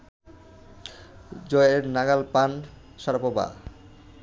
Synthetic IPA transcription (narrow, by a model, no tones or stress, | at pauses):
d͡ʑɔeeɾnaɡalpan | ʃaɾpoba̰